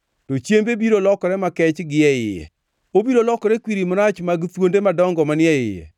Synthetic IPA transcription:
tot͡ʃjembebiɾolɔkɔɾɛmakɛt͡ʃɡɪɛɪ̰jɛ̰ | obiɾolɔkɔɾɛkwiɾimɔnat͡ʃmaɡt̪wondemadɔŋɡɔmanɪɛɪ̰jɛ̰

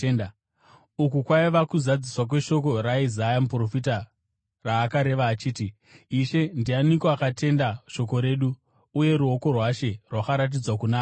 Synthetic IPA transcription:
na | ukukwaiʋakuzad͡ziswak̬we̞ʃo̞ko̞ɾaizajamupro̞fita | raːkaɾe̞ʋaːt͡ʃiːti | iʃe̞ndianikoakatʰe̞ndaʃo̞k̬o̞ɾe̞ːɗu | uje̞ɾuo̞ko̞rwaʃe̞rwakaɾat̬id͡zwakunaːo

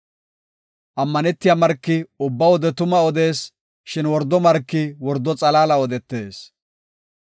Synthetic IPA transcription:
ʔɐmːɐnɛt̪ːɪjamɐɾkːɪʊbːɐwɔd̪ɛt̪ʊmɐɔd̪e̞ːs | ʃɪnwɔɾd̪ːɔmɐɾkːɪwɔɾd̪ːɔt͡sʼɐlaːlɐɔd̪ɛt̪ːe̞ːs

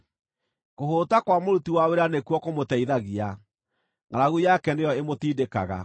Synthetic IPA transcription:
koɦoːtakwamoɾutiwaweɾanekuɔkomotɛiðaɣia | ŋaɾaɣujakɛnejɔemotiːdeka̰ɣa̰

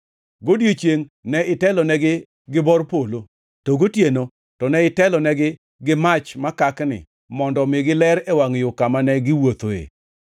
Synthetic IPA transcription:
ɡodjot͡ʃjeŋnɛɪtɛlɔnɛɡɪ | ɡɪbɔrpolo | toɡotjeno | tɔnɛɪtɛlɔnɛɡɪ | ɡɪmat͡ʃmakaknɪ̰ | mɔndɔmɪɡɪlɛɾɛwaŋjʊkamanɛɡɪwot̪oḛ

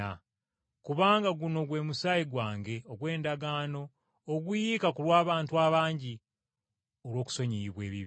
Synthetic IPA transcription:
a | kuβaːŋɡaɡuno̞ɡwe̞ːmusajiɡwaːŋɡe̞oɡwe̞ːndaɡaːno̞ː | ɡujikakulwaːβaːntuaβaːɲɟi | o̞lwo̞ːku̥so̞ɲiiβwe̞̰ːβḭβ

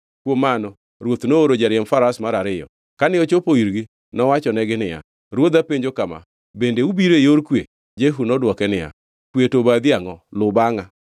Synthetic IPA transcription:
kwomːanɔ | ɾwot̪nooɾod͡ʒaɾjɛmfaɾasmaɾaɾɪjɔ̰ | kanɪot͡ʃopoiɾɡɪ | nɔwat͡ʃɔnɛɡɪnɪja̰ | ɾwod̪apeɲd͡ʒokama̰ | bendeubiɾejoɾkwe | d͡ʒeɦunɔdwɔkɛnɪja̰ | kwetobad̪iaŋɔlʊbaŋa

